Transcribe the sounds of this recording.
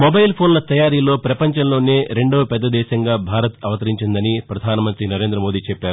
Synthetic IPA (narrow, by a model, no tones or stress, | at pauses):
mobɐjlpʰoːnlɐt̪ɐjaːɾilo̞ːpɾɐpɐɲt͡ʃɐmlo̞ːneːɾe̞ɳɖo̞ːpɛd̪ːɐd̪ɛːʃɐŋɡaːbʱaːɾɐt̪ɐʋɐt̪ɐɾiɲt͡ʃind̪ɐnipɾɐd̪ʱaːnɐmɐnt̪ɾinɐɾe̞ːnd̪ɾɐmo̞ːd̪iːt͡ʃɛpːaːɾu